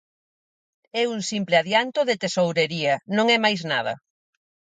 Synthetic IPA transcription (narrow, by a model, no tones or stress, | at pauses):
ɛuŋsimplɪaðjant̪oðet̪esowɾeɾiɐnõŋɛmajznað̞ɐ̰